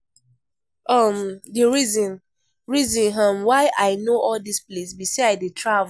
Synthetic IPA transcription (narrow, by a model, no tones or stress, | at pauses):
amdiɹizɔ̃n | ɹizɔ̃nɦãmwaɪʔaɪnoɔldisplesbiseaditʰɹav